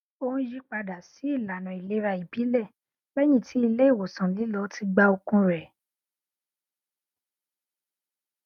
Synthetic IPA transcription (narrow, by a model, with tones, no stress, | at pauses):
õ˦d͡ʒi˦k͡pa˧da˨si˨˦i˦˨la˨nã˨i˨le˨˦ɾa˧˨i˨bi˨˦lɛ˦˨ | bɛ˦j̃ĩ˦˨tʰi˨˦i˧le˦i˦˨wo˨sã˨li˨˦lɔ˧˦ti˧ɡ͡ba˦o˧kũ˦ɾɛ˨